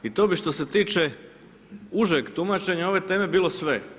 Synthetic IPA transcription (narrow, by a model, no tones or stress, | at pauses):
it̪o̞ːbiʃt̪o̞se̞t̪iːt͡ʃe | uʒekt̪umat͡ʃe̞ɲao̞ʋe̞t̪e̞ːme̞biːlo̞sʋe